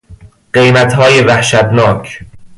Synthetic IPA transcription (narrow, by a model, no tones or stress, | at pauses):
ɢejmæt̪hɒːjevæhʃæt̪nɒːcʰ